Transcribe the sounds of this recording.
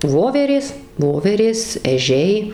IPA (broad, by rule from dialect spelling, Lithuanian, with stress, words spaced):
ˈʋoːʋʲɛrʲeːs ˈʋoːʋʲɛrʲeːs ɛˈʒʲɛɪ